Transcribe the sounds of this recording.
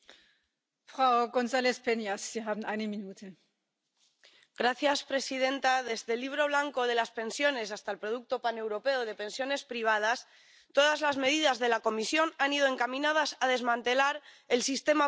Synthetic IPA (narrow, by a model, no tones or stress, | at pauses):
fʁ̥aʊɡonzaːlespʰenjasz̥iːɦaːbm̩ʔaɪnəminuːtʰə | ɡɾaθjaspɾe̞sið̞e̞nt̪aðe̞zðe̞liβ̞ɾo̞β̞laŋko̞ð̞e̞laspe̞nsjo̞ne̞sast̪aelpɾo̞ðuk̚t̪o̞pane̞wɾo̞pe̞oð̞e̞pe̞nsjo̞ne̞spɾiβ̞að̞as | t̪o̞ðazlazme̞ðiðazðe̞lako̞misjo̞nanið̞o̞e̞ŋkamĩnað̞asaðe̞zmãnt̪e̞laɾ | e̞lsist̪e̞ma